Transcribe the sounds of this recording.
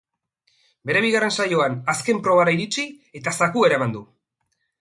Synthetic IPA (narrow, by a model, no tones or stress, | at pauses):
be̞ɾe̞β̞iɣare̞nsajo̞anaske̞mpɾo̞βaɾaiɾit͡si | e̞t̪asakue̞ɾaemand̪u